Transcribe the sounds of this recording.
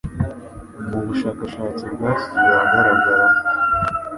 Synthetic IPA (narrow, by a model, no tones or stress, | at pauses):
muβuʃaːkaʃaːt͡siɾɡaːsi̥jaɡaɾaɡaze